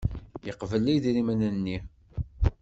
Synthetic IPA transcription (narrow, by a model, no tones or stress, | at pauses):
jəqvəlːijðɾimænænːi